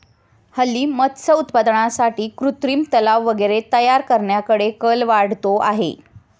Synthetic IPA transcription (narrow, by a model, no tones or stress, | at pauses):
həlːiːmət̪səut̪pad̪ɳasaʈiːkɾut̪ɾiːmt̪əlaʋːəɡəɾet̪əjaɾkəɾɳjakəɽekəlʋaɽ̤t̪oʔaɦḛ